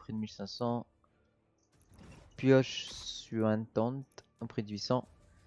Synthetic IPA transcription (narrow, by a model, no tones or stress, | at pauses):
pχid̪əmilsɛ̃sɑ̃ | pjɔʃsyɛ̃t̪ɑ̃t̪ | ɑ̃pχid̪ɥisɑ̃